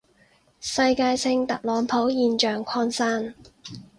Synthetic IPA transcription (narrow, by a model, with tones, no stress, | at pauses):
sɐ˧jkaː˧jsʰɪ˧ŋt̪ɐ˨k̚lɔː˨˥ŋpʰo˨˥wjiː˧nt͡ʃœː˨ŋkʷʰɔː˧nsaː˥n